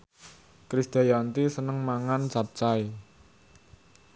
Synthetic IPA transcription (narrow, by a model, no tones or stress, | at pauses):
kɾisd̪̥ajant̪isənəŋmaŋant͡ʃap̚t͡ʃai